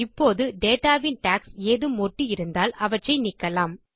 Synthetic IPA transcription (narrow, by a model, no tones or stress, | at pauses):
ɪpːoːðɯɖeːʈaːʋɪnʈaːkseːðɯmɔʈːijɪɾɯnd̪aːlɐʋɐʈrɐɪnɪkːɐlaːm